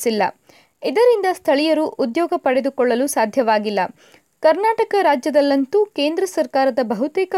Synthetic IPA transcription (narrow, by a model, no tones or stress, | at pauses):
silːɐ | id̪ɐɾind̪ɐst̪ʰɐɭijɐɾuʔud̪jɔːɡɐpɐɽed̪ukɔɭːɐlusaːd̪ʱjɐʋaːɡilːɐ | kɐɾnaːʈɐkɐɾaːd͡ʒjɐd̪ɐlːɐnt̪uke̞ːnd̪ɾɐsɐɾkaːɾɐd̪ɐbɐɦut̪ɛːkɐ